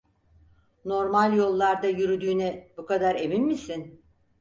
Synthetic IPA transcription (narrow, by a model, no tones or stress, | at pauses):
no̞ɾmalʲjo̞lˠːaɾd̪ajyɾyd̪yːnɛbukad̪aɾe̞minmisin